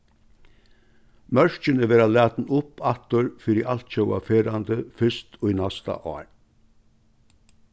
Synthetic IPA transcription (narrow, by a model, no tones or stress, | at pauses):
mœʂt͡ʃənəʋeːɾalæːt̪nʊpat̪əɾfiɾiʔalt̪c͡çœwa̰feːɾand̪əfʏʂt̪ʰɔinast̪a̰ʔɑ̰ːɹ